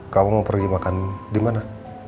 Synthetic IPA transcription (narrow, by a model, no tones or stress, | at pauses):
kamuməmpərɡimakandimana